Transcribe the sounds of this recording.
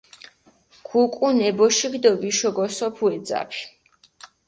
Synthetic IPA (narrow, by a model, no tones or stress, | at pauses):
ɡ̥ukʼunɛbɔʃiɡd̪ɔviʃɔɡɔsɔpʰuɛd̪za̰pʰi̥